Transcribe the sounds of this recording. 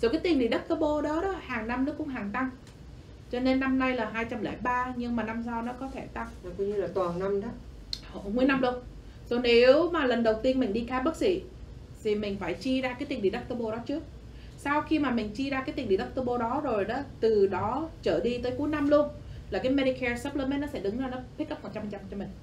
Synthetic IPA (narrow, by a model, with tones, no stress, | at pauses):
zo˨˩kaː˨˦jt̪ï˨˩ŋɗḭ˨˩ɗə˦˥k̚t̪ə˧ɓo˧ɗɔ˨˦ɗɔ˨˦haː˨˩ŋna˧mnɔ˨˦˥kʊ̰˧˥ŋ͡mɦaː˨˩ŋt̪a˧m | t͡ɕɔ˧ne˧nːa˧mna˧jlaː˨˩ɦaː˧jt͡ɕa˧mlɛ̰˧˩jɓaː˧ɲɨ˧ŋmaː˨˩na˧msaː˧wnɔ˨˦kɔ˨˦t̪ʰe˧˩t̪a˧mː˨˩kɔ˧ɲɨ˧laː˨˩t̪waː˨˩nna˧mɗɔ˨˦ | ho̰˧˨mwu˧˦əjna˧mlu˧ən | zo˨˧˩ne˨˦wmaː˨˩lə˨˩nɗə˨˩wt̪i˧ənmï˨˩ŋ̟ɗi˧kaː˧mɓə˦˥k̚sḭ˧˩˨ | t̪ʰi˨˩mï˨˩ŋ̟faː˧˩jt͡ɕi˧zaː˧kaː˨˦jt̪i˨˩ɗi˨˩ɗə˦˥p̚t̪ə˧ɓo˧ɗɔ˨˦t͡ɕɨ˦˥ək̚ | sa˧wxi˧maː˨˩mï˨˩ŋ̟t͡ɕi˧zaː˧kaː˨˦t̪i˨˩ŋ˩ɗi˨˩ɗ̚t̪ə˧ɓo˧ɗɔ˨˦zo˨˩jɗɔ˨˦t̪ɨ˨˩ɗɔ˨˦t͡ɕəː˧˩ɗi˧t̪əː˨˦jku˨˦jna˧mlu˧ənlaː˨˩kaː˨˦jmɛ˧ɾi˧kʰɛ˧səː˦˥p̚ləː˧mɛ˦˥nɔ˨˦sɛ̰˧˥ɗɨ˨˦ŋzaː˧˩nɔ˨˦p̪̚ʰkə˦˥pmo˨˩t͡ɕa˧mht͡ɕa˧m˧t͡ɕɔ˧mï˨˩ŋ̟